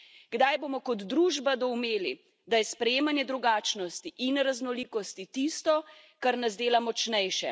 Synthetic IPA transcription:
ɡ̥d̪ajboːmɔkɔd̪ːɾuːʒbad̪ɔwmeːli | d̪ajɛspɾɛjeːmanjɛd̪ɾuɡaːt͡ʃnɔst̪iʔinɾaznɔliːkɔst̪it̪ist̪ɔ | kaɾnazd̪eːlamɔt͡ʃnɛjʃɛ̰

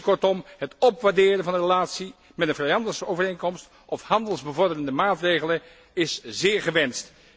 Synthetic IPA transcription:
kɔɹtɔmɦətɔpʋaːɹdɪːɾənvɑndərəlaːtsi | mɛtənvrɛjɑndəsəowvərejŋnkɔmst | ʔɔfhɑndəlˠzbəvɔɹdərəndəmaːtrejχələn | ɪszɪːɹχəʋɛnst

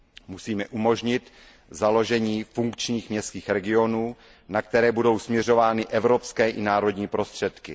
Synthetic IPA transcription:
musiːmɛʔumo̞ʒɲɪt̪ | zalo̞ʒɛɲiːfuŋkt͡ʃɲiːxmɲɛst̪kiːxɾɛɡɪo̞nuː | nak̚t̪ɛɾɛːbudo̞wsmɲɛro̞vaːnɪʔɛvɾo̞pskɛːʔɪnaːɾo̞dɲiːpɾo̞st̪r̝̥ɛt̪kɪ

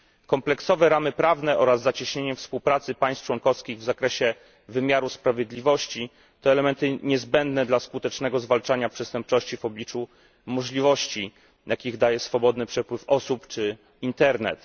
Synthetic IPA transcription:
kɔmplɛksɔvɛɾamɘpɾavnɛʔɔɾazːat͡ɕiɕɲeɲɛfspuwpɾat̪sɘpaj̃st͡ʂwɔŋkɔfskʲiɣvzakɾɛɕɛ | vɘmʲjaɾuspɾavʲjed̪lʲivɔɕt͡ɕi | t̪ɔɛlɛmɛnt̪ɘɲɛzbɛnd̪nɛd̪laskut̪ɛt͡ʂnɛɡɔzvalt͡ʂaɲapʂɛst̪ɛmp̚t͡ʂɔɕt͡ɕivɔblʲit͡ʂu | mɔʐlʲivɔɕt͡ɕi | jakʲiɣd̪ajɛsfɔbɔd̪nɘpʂɛpwɘfɔsupt͡ʂɘ | int̪ɛɾnɛ̰t̪

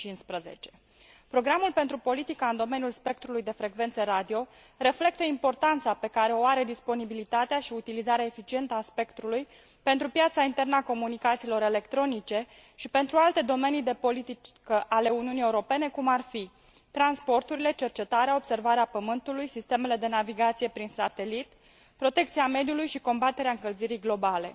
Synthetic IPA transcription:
t͡ʃinspɾəze̞̰t͡ʃe̞̥ | pɾo̞ɡɾamulpe̞nt̪ɾupo̞lit̪ikaɨnd̪o̞menjulspe̞k̚t̪ɾulujd̪e̞fɾe̞ɡve̞nt̪səɾad̪io̞ | re̞fle̞k̚t̪əimpo̞rt̪ant̪sape̞kaɾe̞o̞aɾe̞d̪ispo̞nibilit̪at̪eaʃiut̪ilizaɾeaefit͡ʃie̞nt̪əaspe̞kt̪ɾuluj | pe̞nt̪ɾupjat̪saint̪e̞rnəako̞munikat̪silo̞ɾe̞le̞kt̪ɾo̞nit͡ʃe̞ | ʃipe̞nt̪ɾualt̪e̞d̪o̞me̞nijd̪e̞po̞lit̪ikəʔale̞uniunije̞uɾo̞pe̞ne̞kumarfi | t̪ɾanspo̞rt̪uɾile̞t͡ʃe̞rt͡ʃe̞t̪aɾeao̞b̥se̞rvaɾeapəmɨnt̪ulujsist̪e̞me̞le̞d̪e̞naviɡat̪sije̞pɾinsat̪e̞lit̪ | pɾo̞t̪e̞k̚t̪siame̞d̪julujʃiko̞mbat̪e̞ɾeaɨŋkəlziɾijɡlo̞bale̞̰

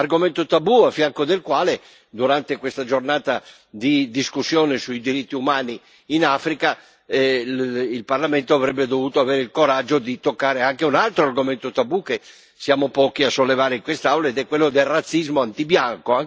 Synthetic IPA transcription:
arɡoment̪ot̪abuafːjaŋkod̪elkwaːle | d̪uɾant̪ekwest̪ad͡ʒornaːt̪a | d̪id̪iskusːjɔːnesuid̪iɾit̪ːiumaːniː | nafɾika | ilparlament̪oavɾɛbːed̪ovuːt̪oaveːɾeilkoɾad͡ʒːod̪it̪okːaːɾeaŋk̟eunalt̪ɾoarɡoment̪ot̪abuke | sjaːmopɔːkiasːolːevaːɾeiŋkwest̪awlaed̪ɛkːwelːod̪elrat̪sːizmoant̪ibjaŋkoa

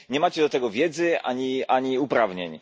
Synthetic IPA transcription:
ɲɛmat͡ɕɛd̪ɔt̪ɛɡɔvʲjɛd̪zɘʔa̰ɲiaɲiupɾavɲeɲ

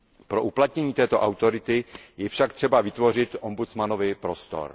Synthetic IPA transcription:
pɾo̞ʔuplat̪ɲɛɲiːt̪ɛːt̪o̞ʔawt̪o̞ɾɪt̪ɪjɛfʃakt̪r̥ɛbavɪt̪vo̞r̝ɪt̪ʔombut͡smanovɪpɾo̞st̪o̞̰ɾ

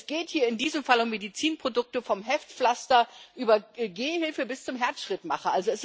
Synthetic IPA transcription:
sɡ̥eːthiːɐɪndiːzəmfalʊmːedit͡siːnpʁ̥odʊk̚təfɔmɦɛftflastɐʔyːbɐɡeːhɪlfəbɪst͡sʊmɦɛɐt͡sʃʁ̥ɪtmaχɐʔalzoɛs

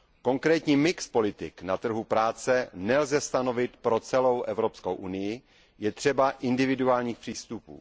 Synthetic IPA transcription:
ko̞ŋkɾɛːt̪ɲiːmɪkspo̞lɪt̪ɪknat̪r̩ɦupɾaːt͡sɛnɛlzɛst̪ano̞vɪt̪pɾo̞t͡sɛlo̞wʔɛvɾopskowʔunɪjɪ | jɛt̪r̝̥ɛbaʔɪndɪvɪduaːlɲiːxpr̝̥iːst̪upṵː

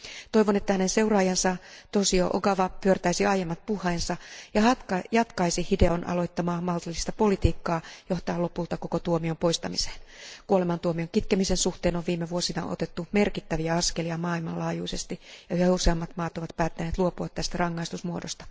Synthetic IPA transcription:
t̪o̞ijʋonet̪ːæhænenseurɑːjɑnsɑt̪osio̰ʔo̰ɡɑʋɑpyørt̪æisiɑjemːɑt̪̚puhːeːnsɑjɑhɑt̪ɑjɑt̪kɑisihide̞onʔɑ̰lo̞it̪ːɑmɑːmɑlt̪ilːist̪ɑpo̞lit̪iːkːɑːjoht̪ɑːlopult̪ɑko̞kot̪uomiompo̞ist̪ɑmise̥ːnkuolemɑnt̪uomioŋkit̪kemisensuht̪eːnoʋʋiːmːeʋuosinɑ̰ʔo̰t̪et̪ːume̞rkit̪ːæʋiæɑskeliɑmɑːilmɑ̰lɑːjuisest̪ijɑyhæuseɑmːɑt̪mɑːt̪oʋɑt̪pæːt̪ːæneːt̪luopuɑt̪t̪ːæst̪ærɑŋːɑist̪usmuodost̪ɑ̥

